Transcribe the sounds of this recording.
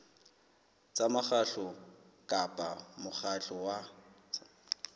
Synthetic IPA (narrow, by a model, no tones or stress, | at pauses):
t͡sʼamaχaɬʊ | kʼapʼamʊχaɬɔwa